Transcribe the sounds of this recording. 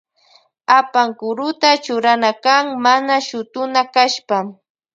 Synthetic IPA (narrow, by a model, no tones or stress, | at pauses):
apaŋkʊɾʊt̪at͡ʃʊɾanakaŋmanaʃʊt̪ʊnakaʃpa